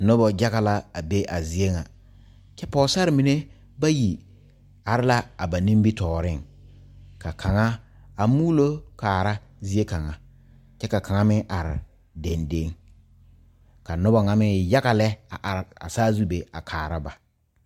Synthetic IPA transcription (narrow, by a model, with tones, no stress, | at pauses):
nʊ˦bɔ˨d͡ʒa˦ɣa˨la˦a˨be˦ʔa˨zi˨e˦ŋa˨ | t͡ʃɛ˦pɔː˦sa˦ɾɪ˨mi˨ne˦ | ba˦ji˨ | a˨ɾɪ˦la˦a˨ba˨nĩ˦mbi˦tɔː˨ɾɪ˦˨ŋ | ka˨kʰa˨ŋa˦ | a˨muː˦lo˦kaː˨ɾa˦zi˦e˦ka˨ŋa˨ | t͡ʃɛ˦ka˨ka˨ŋa˦mɪ˦ŋʔa˨ɾɪ̰˨ | de˨nde˦ŋ | ka˨nʊ˦bɔ˨ŋa˨mɪ˦ja˦ɣa˨lɛ˦a˨ʔa˨ɾɪ˨a̰˨saː˦zu˦be˨a˨kʰaː˨ɾa˦ba˨